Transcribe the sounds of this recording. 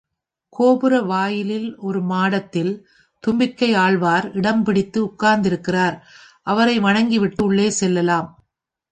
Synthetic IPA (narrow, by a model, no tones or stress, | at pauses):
koːbɯɾɐʋaːjɪlɪlɔɾɯmaːɽɐt̪ːɪl | t̪ʊmbɪɾkɐɪaːɭʋaːɾɪɽɐmpɪɽɪt̪ːɯʊkːaːɾnd̪ɪɾɯkːɪraːɾ | ʔɐʋɐɾɐɪʋɐɳɐŋɡiʋɪʈːɯʊɭːeːsɛlːɐlaːm